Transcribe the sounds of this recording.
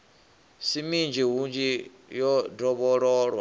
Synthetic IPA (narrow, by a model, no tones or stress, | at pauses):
simind͡ʒiɦund͡ʒi | jɔdɔβɔɺɔːɺwa